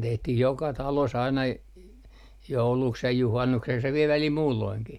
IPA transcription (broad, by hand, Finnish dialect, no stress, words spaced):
tehtih jokɑ tɑlos ɑinɑ j jouluks jɑ juhɑnːukseks jɑ ʋiel ʋælil muːlːoiŋki